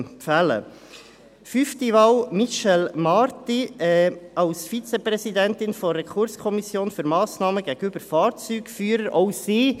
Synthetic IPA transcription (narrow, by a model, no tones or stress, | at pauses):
fælə̰ | fyftiʋɑwmiʃɛlmɑɾt̪iɛɑʊsfit͡sepɾɛsid̪æntɪnfɔrːɛkʰʊɾskʰɔmisjoːnfyɾmɑːsnɑːməɡæɡ̥əyb̥əɾfɑːɾt͡syːɡ̥fyːəɾəɾʔɔʊsiː